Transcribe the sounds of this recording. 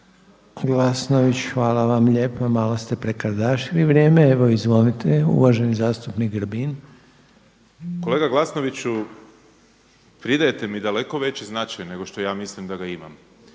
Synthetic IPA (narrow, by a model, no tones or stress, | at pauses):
ɡlasnoʋit͡ɕxʋaːlaʋamʎeːpamaːlost̪e̞pɾe̞kad̪aːʃiliʋɾje̞ːmeeʋo̞izʋo̞nit̪eṵʋaʒenizaːst̪upnikɡrbin | ko̞leːɡaɡlˠasnoʋit͡ɕu | pɾid̪ajet̪emid̪aleko̞ʋe̞t͡ɕeznat͡ʃajne̞ɡo̞ʃt̪ojaːmislimd̪aɡaima̰m